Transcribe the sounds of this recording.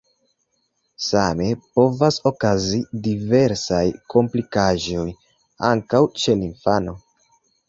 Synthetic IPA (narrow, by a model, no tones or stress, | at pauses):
same̞po̞vaso̞kazidive̞ɾsajko̞mplikaʒo̞j | aŋkawt͡ʃe̞linfano̞